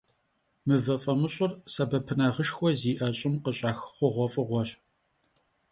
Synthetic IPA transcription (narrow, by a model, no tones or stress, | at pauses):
mɨvɐfʼɐmɨɕʼʊrsɐbɐpʰɨnaʁəʃxʷɔziːʔɐɕʼɪmqəɕʼɑːxχʷɔʁʷɔfʼɨʁʷɔɕ